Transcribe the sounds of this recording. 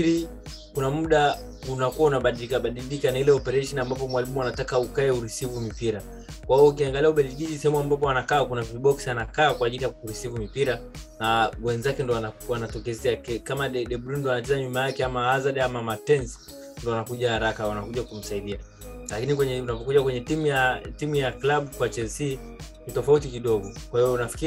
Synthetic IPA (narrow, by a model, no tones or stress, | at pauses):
ɾi | kunamuɗa | unakuwaunaɓaɗilikaɓaɗilikanailɛɔpɛɾaʃɔnambap̬ɔmwalimuanatakaukaɛuɾisivumipiɾa | kwahiɔuk̬iaŋɡaliauɓɛliʄiʄisɛhɛmuambap̬ɔanakaːkunaviɓɔksianakaːkwaːʄilijakuɾisivumipiɾanawɛnzakɛndɔwanawanatɔkɛzɛakɛkamaɛɗɛɓɾindɔanatizaɲumajakɛamaazaɗamamatɛns | ndɔanakuʄahaɾakawanakuʄakum̩saiɗia | lakinikwɛɲɛunapɔkuʄakwɛɲɛtimujatimujaklaɓukwat͡ʃɛsi | nitɔfaut̬ikiɗɔɡɔkwahivɔunafi̥kiɾi